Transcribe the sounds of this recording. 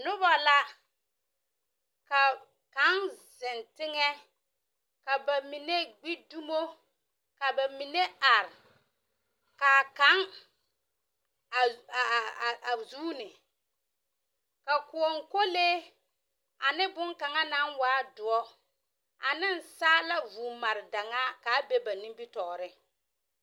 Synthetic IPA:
nʊ˦ba˨la˦ | ka˨ | ka˨˦ŋzɪ˨ntɪ˦ŋɛ˦ | ka˨ba˨mi˨ne˦ɡ͡bi˦du˦mo˦ | ka˨ba˨mi˨ne˦a˨ɾɪ˨ | ka˨ka˦ŋ˨ | a˨zuː˦nɪ˨ | ka˨ku˨ɔ˨ŋ˨ko˦leː˦ | a˨nɪ˦bʊ˦ŋka˨ŋa˦na˦nwaː˨˦dʊ˨ɔ˦ | a̰˨nɪ˦n˨saː˦la˦vuː˨ma˨ɾɪ˨da˨ŋa˦ka˨˦be˦ba˨ni˦mbi˦tɔː˨ɾɪ˦

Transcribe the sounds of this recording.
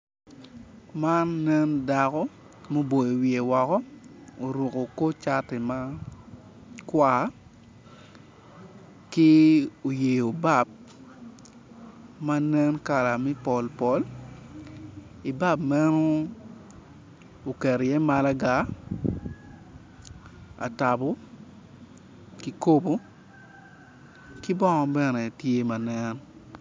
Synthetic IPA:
ma˦nːɛ˦nda˨kɔ˦ | mo˦bo˨jo˨wi˨e˨wɔ˨kɔ˦o˨ɾo˨ko˨ko˦t͡ʃa˦tɛ˨ma˦ | kwa˦˨˦ | kɪ˦o˨je˨jo˨ba˦˨p̚ | ma˦nɛ˦nka˨la˨mɛ˦pɔ˨lpɔ˦l | i˨ba˦bmɛ˦no˦ | o˨kɛ˨ɾjɛ˦ma˦la˦ɡa˦ | a̰˨ta˨bo˦ | ki˨ko˦bo˦ | kɪ˦bɔ˦ŋɔ˨bɛ˦nɛ˨tje˦ma˨nɛ˦n

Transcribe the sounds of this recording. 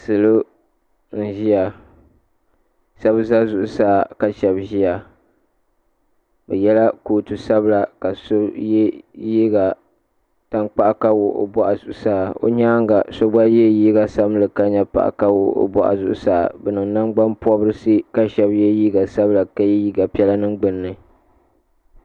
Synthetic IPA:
sɨ˨lo˦ | n̩˦ʒi˦ja˨ | sa˦bza˦zʊ˨ʔʊ˨saː˦˨ka˨ʃɛ˨bʒi˦ja˨ | bɛ˨jɛ˦la˦koː˨tɨ˨sa˦bla˨ka˨so˦jɛ˦ji˦ɡa˨ | ta˦ŋk͡pa˦ʔa˨ka˦wo˨ʔo̰˨bɔ˦ʔa˨zʊ˨ʔʊ˨saː˦˨o̰˦ɲaː˦ŋɡa˨so˦ba˦jɛ˦jiː˦ɡa˦sa˦m˦lɨ˨ka˦ɲa˦pa̰˨ʔa̰˨ka˦wo˨o̰˦bɔ̰˦ʔa̰˨zʊ˨ʔʊ̰˦sa̰ː˦˨bɨ˨nɨ˨ŋna˦ŋɡ͡ba˦mpɔ˦bɾɨ˦si˦ka˦ʃɛ˨˦bjɛ˦jiː˦ɡa˨sa˦bla˨ka˦ji˦jiː˦ɡa˨pi˦ɛ˦la˦nɨ˦ŋɡ͡bɨ˨nːɨ˨

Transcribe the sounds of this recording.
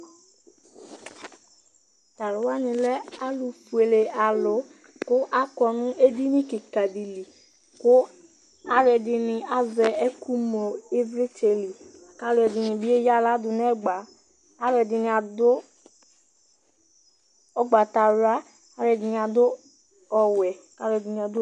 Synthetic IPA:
t̪a˨lʊ˨wa˦nɪ̃˨lɛ˦a˦lu˨fu˨e˨le˨a˨lʊ˨˦ | kʊ˦ʔa˦kɔ˨nʊ̃˦e˦di˦nĩ˦ke˨ka˨di˨li˨ | kʊ˦ | a˦lɛ˨dɪ˨nɪ̃˨a˨zɛ˨ɛ˦ku˦m˨o˨e˦vɾe˦t͡ʃe˨li˨ | ka˦lɛ˨dɪ˨nɪ˨bi˦e˦ja˦la˦dʊ˨n˦ɛ˦ɡ͡baː˨˦ | ɾɛ˨dɪ˨nɪ˨a˨dʊ˦ | ɔ˦ɡ͡ba˨ta˨ɾa˦ | a˨˦ɾɛ˨dɪ˨nɪ˨a˨dʊ˦ | ɔ˨wɛ˨ | ka˦ɾɛ˨dɪ˨nĩ˨a˨dʊ˦

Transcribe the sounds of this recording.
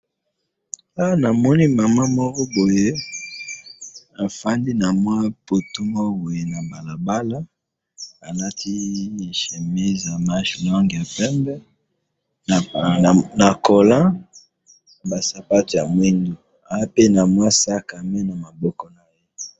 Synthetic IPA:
a˦wa˦na˨mɔ˦ni˦ma˨ma˦mɔ˦kɔ˦bo˨je˦ | a˨fa˦ndi˦na˨mwa˦po˨tu˦mo˦bo˨je˨na˨ba˨la˨ba˦la˦ | a˨na˦ti˦˨ʃe˨mi˦za˨ma˦ʃlɔ˦ŋɡja˨pɛ˦mbɛ˦˨ | na˨ko˨lã˦ | ba˨sa˨pa˦to˨ja˨mwi˦ndu˨ | a˨ja˦pe˦na˨mwa˦sa˦˨ka˨me˦na˨ma˨bɔ˦kɔ˦na˨jje˦

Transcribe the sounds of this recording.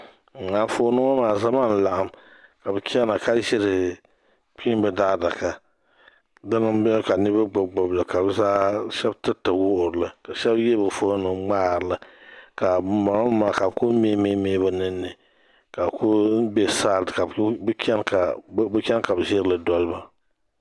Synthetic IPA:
ŋ̩˨a˨foː˦nɨ˦ɔ˦maː˨za˦ma˦˨n̩˦˨la˨ʔa˨mka˨bɨ˨kʲʰɛ˦na˨ka˦ʒɪ˦ɾɨ˨ | k͡pi˦m˦bɛ˦daː˦da˨ka˦ | dɨ˦nɨ˦m˦bɛ˦ka˨nɨ˦ba˦ɡ͡bo˨ɡ͡bo˨bla˨ka˨bɛ˦zaː˦ʃɛ˦btɨ˦tɨ˨wʊ˦ʔʊ˨ɾɨ˨la˨ka˨ʃɛ˦bje˦bɨ˨foː˦nɨ˨ŋŋ͡maː˦˨ɾɨ˨la˨ka˨ma˨ɾa˦maː˨ka˨bko˦me˦meː˦meː˦bɨ˨nɨ˦nːɨ˨ | ka˨bko˦bɛ˦saː˦˨ka˨bkʲɛ˦n˦ka˨˦bɨ˦kʲɛ˦n˦ka˨bɨ˨ʒɪ˦ɾɨ˦lɨ˨dɔ˦lba˨

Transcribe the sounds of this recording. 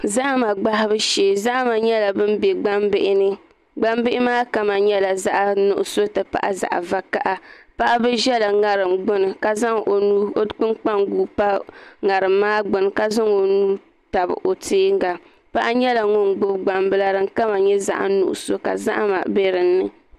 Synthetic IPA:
za˦ʔa˦ma˨ɡ͡ba˦hɪ˦bɨ˦ʃeː˨za˦ʔma˨ɲɛ˦la˨bɨ˦m˦be˨ɡ͡ba˦mbɪ˦ʔɪ˦nɨ˦ | ɡ͡ba˦mbɪ˦ʔɪ˦maː˦ka˦ma˨ɲɛ˦la˨za˦ʔa˦nʊ˨ʔʊ˨so˦tɨ˨pa̰˨ʔa˦za̰˨ʔa̰˨va˦ka˦ʔa˦pa˦ʔa˦bɨ˦ʒɛ˦la˨ŋa˨ɾɨ˨mɡ͡bʊ˦nɨ˨ka˨za˦ŋo˨nuː˦˨k͡pɨ˦nk͡pa˦ŋɡuː˦pa˦ŋa˨ɾɨ˨mːaː˦ɡ͡bʊ˨n˨ka˦za˦ŋo˨nuː˦ | ta˨bɨ̰˨ʔo˨teː˦ŋɡa˨ | pa˦ʔa˦ɲɛ˦la˨ŋʊ˦nɡ͡bʊ˦bɡ͡ba˨mbɨ˦la˦ɾɨ˨ŋ˦ka˦ma˨ɲɛ˦za̰˦ʔa̰˨nṵ˨ʔʊ̰˨so˦ka̰˨za̰˦ʔma̰˨be˦ɾɨ˨nːɨ̰˨

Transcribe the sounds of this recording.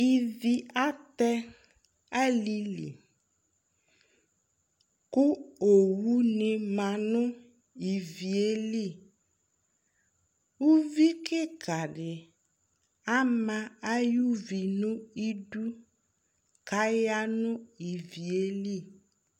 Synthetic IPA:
i˨vi˨a˦t̪ɛ˦ | a˦li˦lḭ˨ | ku˦o˨wu˦nĩ˨mã˨nʊ̃˦ | i˨vi˨e˦li˦˨ | wu˦vi˦kɪ˦ka˨ɖɪ˨ | a˦mã˦a˦ju˦vi˨nũ˦i˦ɖu˦ | ka˦ja˦nʊ̃˦i˨vi˨e˦li˦˨

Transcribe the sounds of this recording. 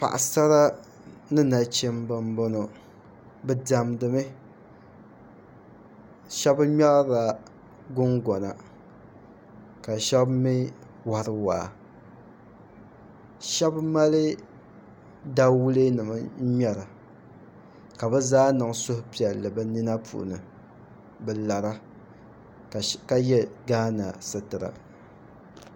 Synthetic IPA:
pa̰˨ʔa̰˨sa˦ɾa˦ | nɨ˦na˨t͡ʃɛ˦mbɨ˦mbo˦no˨ | bɨ˦da˨mdɨ˨mɨ˦ | ʃɛ˦bɲɛ˦ɾa˨ | ɡʊ˦ŋɡɔ˨na̰˨ | ka˨ʃɛ˦bmi˦ | wa˨ɾɨ˦wa̰ː˨ | ʃɛ˦bma˦lɨ˦ | da˦wu˦le˦nɨ˨ma˦ɲɛ˦ɾɨ˨ | ka˨bɨ˦zaː˦nɨ˨ŋ˨sʊ˦hʊ˦pi˨ɛ˨lɨ˨bɨ˦ni˦na˦pṵ˨ʔnɨ˨ | bɛ˨la˨ɾa˦˨ | ka˦jɛ˦ɡaː˦na̰˨sɨ˨tɨ˨ɾa̰˨

